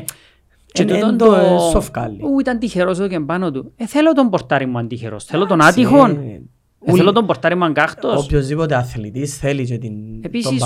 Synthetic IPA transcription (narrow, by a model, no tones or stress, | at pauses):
t͡ʃeot̪ond̪ofkalːiuit̪ɐnt̪içeɾos̬okembanot̪ueθelot̪omboɾt̪aɾimːuand̪içḛɾo̰sθelot̪onat̪ixon | eθelːot̪omboɾt̪aɾimːaŋɡaxt̪osopçozðipot̪eaθelit̪isθelit͡ʃet̪inepisis